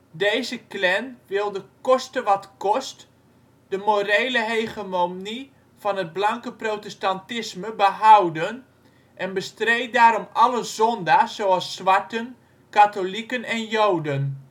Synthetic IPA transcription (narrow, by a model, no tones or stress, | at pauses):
dejzəklɛnʋɪlˠdəkɔstəʋɑtkɔst | d̥əmorejləɦejχəmomni | fɑnəd̚blɑŋkəprotɛstantɪsməbəɦawdən | ʔɛnbəstrejt̚daːɾɔmɑləzɔndaːsːowɑlˠsːʋaɹtən | katolikənɛnjowdən